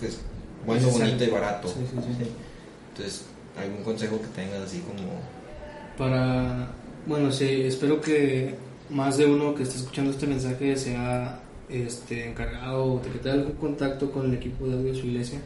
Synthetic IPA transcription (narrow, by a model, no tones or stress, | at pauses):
esbwenoonit̪oiβaɾat̪osisisisi | t̪onses | a̰lɣuŋko̞nse̞xo̞ket̪e̞ŋɡasasiko̞mo̰ | paɾa | bwe̞no̞siespe̞ɾo̞ke̞ | mazðe̞uno̞ke̞ːst̪eseskut͡ʃand̪oest̪emẽ̞ns̬axe̞se̞a | e̞st̪e̞ːŋkaɾɣaðod̪eket̪eɡalɣuŋko̞nt̪akt̪o̞ko̞ne̞le̞kipoðaðosuiɣle̞sja